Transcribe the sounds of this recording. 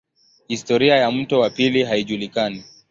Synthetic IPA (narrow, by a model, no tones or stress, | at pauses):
histɔɾiajam̩tɔwapiliɦaiʄulikani